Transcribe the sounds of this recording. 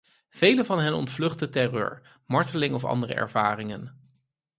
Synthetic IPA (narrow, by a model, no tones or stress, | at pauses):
v̥ejləvɑnɦɛnɔ̰ntflɵχdətɛrø̰ːɹ | mɑɹtəlɪŋɔfɑ̰ndərə̰ʔɛ̰ɹv̥aːrɪŋən